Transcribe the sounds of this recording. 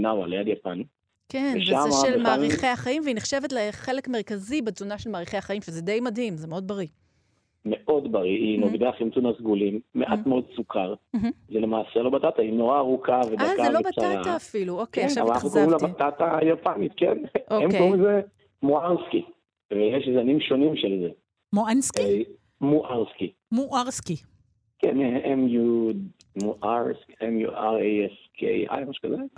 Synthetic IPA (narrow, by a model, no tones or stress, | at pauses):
nawalejad̪japan | keneʃaameaʃaelmaʁiχejaχaimveineχʃevetleχelekme̞ʁ̞kazibezunaʃelmaːʁiχe̞jaχaimvezed̪ejmadhimzemeo̞d̪̚baʁi | meʔo̞d̪baʁiinoɡd̪aχimtunasɡulimːeʔatmeo̞d̪̚sukʰaʁm̩zelemaːselo̞bat̪at̪aino̞ʁaːʁukʰaved̪akazvloebat͡saʁaaːfiluokavanaχnukoʁimlabat̪at̪ajopamit̪kḛnʔoemkoʁimze | moaʁski | vejeʃzanimʃo̞nimʃelze | moanski | muʔaʁski | muʔaʁski | keneʔemju | muʔaʁskemjṵaʁeeskʰḛa̰jmaʃu̥kaze